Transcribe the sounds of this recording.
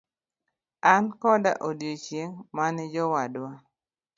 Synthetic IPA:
ankɔda̰ʔodjot͡ʃjeŋmanɪd͡ʒɔwadwa

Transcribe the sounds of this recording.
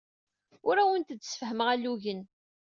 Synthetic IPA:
ʊɾæwənt̪əd̪ːsə̥fəɦəməʁælːuʝən

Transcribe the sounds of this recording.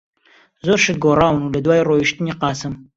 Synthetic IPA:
zoɾʃɨt̪̚ɡoːrɑːwɨnulɐd̪waːiroːjiʃt̪ɨniːqɑːsɨm

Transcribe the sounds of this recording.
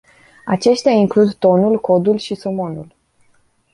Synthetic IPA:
at͡ʃe̞ʃt̪eaiŋklud̪t̪o̞nulko̞d̪ulʃiso̞mo̞nul

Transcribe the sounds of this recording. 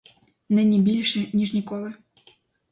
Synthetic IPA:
nɪnʲibʲilʲʃɛnʲiʂnʲikɔlˠɨ

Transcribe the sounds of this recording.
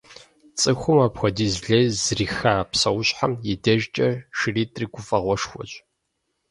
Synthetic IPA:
t͡sʼɨxʷʊmaːpxʷɔdiːzɮɐjzriːxaːpsɐwɕħamjɛdɐʒt͡ʃʼɐʂɨriːtʼriɡʷʊfʼɐʁʷɔʂxʷɔ̰ɕʼ

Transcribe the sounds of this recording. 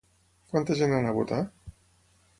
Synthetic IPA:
kwant̪əʒenanaβut̪a

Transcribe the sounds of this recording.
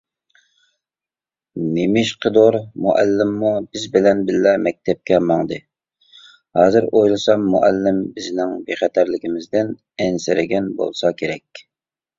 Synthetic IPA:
nemɪʃqʰəd̪oɾmuʔɛ̰lːɪmːubɪzbɪlɛnbɪlːɛmɛk̚ʲt̪ʰɛp̚kʲʰɛmɑŋd̪ɨ | hɑːzɪɾojlˠɨsɑmːuʔælːɪmbɪznɪŋbeχɛt̪ʰæɾlɪkʲɪmɪzd̪ɪn | ɛnsɪɾɪɡʲɛnbo̰lˠsɑkʲʰeɾɛkʲ

